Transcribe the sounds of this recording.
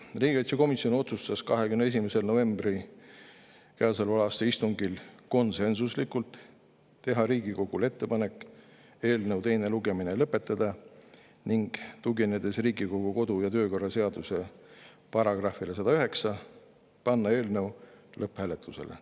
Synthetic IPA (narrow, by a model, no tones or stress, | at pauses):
riːɡ̥iɑt̪sɑko̞misjo̞no̞t̪sust̪ɑskɑɦekymnees̬imese̞lno̞ve̞mbri | kæːsɑlolɑːst̪eist̪uŋɡilko̞nse̞nsuslikːult̪ː | e̞ɦɑɾiːɡ̥iko̞ɡ̥ule̞t̪ːe̞pɑne̞kːˑ | e̞ːlne̞wt̪e̞jne̞luɡe̞minelɤpːˑe̞t̪ːˑɑd̪̥ɑ | niŋɡ̥t̪uɡined̪̥e̞sriːɡiko̞ɡ̥uko̞d̪̥ujɑt̪ø̞ːko̞rːɑse̞ɑd̪use̞ | pɑɾɑɡ̥rɑfiles̬ɑd̪ɑyɦe̞ksɑ | pɑnːɑe̞ːlnewlɤpːhæːle̞t̪ːˑusḛle